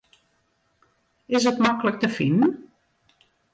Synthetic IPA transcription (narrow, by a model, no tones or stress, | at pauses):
ɪzətmaklək̚təfɪnn̩